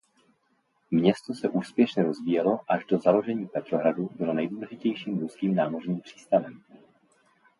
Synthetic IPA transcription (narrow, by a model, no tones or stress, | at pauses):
mɲɛst̪o̞sɛʔuːspjɛʃɲɛɾo̞zviːjɛlo̞ʔaʒdo̞zalo̞ʒɛɲiːpɛt̪ɾo̞ɦɾadubɪlo̞nɛjduːlɛʒɪcɛjʃiːmɾuskiːmnaːmo̞rɲiːmpr̝̥i̥ːst̪avɛm